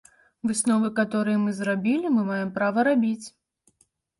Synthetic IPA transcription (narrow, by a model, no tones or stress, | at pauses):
vɨsnɔvɨkat̪ɔɾɨjɛmɨzrabʲilʲimɨmajɛmpɾavɐɾabʲit͡sʲ